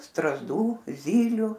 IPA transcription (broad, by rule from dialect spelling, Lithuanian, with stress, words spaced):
strɐzˈduː ˈzʲiːlʲʊ